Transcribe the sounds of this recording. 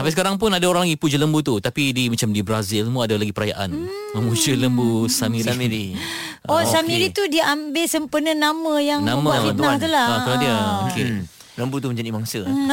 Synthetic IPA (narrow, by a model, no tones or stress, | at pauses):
t̪apasəkaɾaŋp̬unadaoɾaŋlaɡipud͡ʒələmbut̪ut̪apidimat͡ʃamdibɾazilmuadalaɡipəɾaja̰ʔan | mə̃mud͡ʒələmbusamiɾimiɾi | ɔsamiɾit̪udiəʔambɪlsəmpənənamə̃jaŋnãməit̪ulaaadiəmũkɪn | ləmbut̪umə̃ɲd͡ʒanimaŋsə